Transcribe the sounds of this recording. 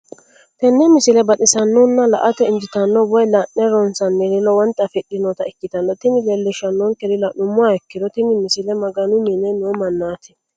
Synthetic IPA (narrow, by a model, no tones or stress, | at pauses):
t̪ɛnːɛmɪsɪlɛbɐt̪ʼɪsɐnːɔnːɐlɐ̰ʔɐt̪ɛɪnd͡ʒɪt̪ɐnːɔbɔjlɐʔːɛɾɔnsɐnːɛɾɪlɔwɐnt̪ʼːɐfɛɗːɪnɔt̪ɐɛkːɪt̪ɐnːɔt̪ɪmɪlɛlːɛʃɐnːɔŋkɛdɪlɐnʊmːʊaɛkːɪd̪ɔt̪ɪmɪmɪsɪlɛmɐɡɐnʊminːɛnomɐnːaːt̪ʰɪ̥